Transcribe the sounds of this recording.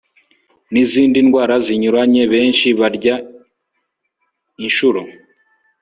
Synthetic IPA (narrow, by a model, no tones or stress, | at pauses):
niziːndinɡwaːɾaziɲuɾaɲe̞βe̞ːnʃiβaɾɟa | inʃuɾo